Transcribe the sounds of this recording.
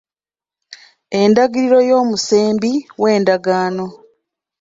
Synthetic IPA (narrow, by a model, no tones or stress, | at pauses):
e̞ndaɡiɾiɾo̞jo̞ːmuse̞ːmbiwe̞ːndaɡaːno̞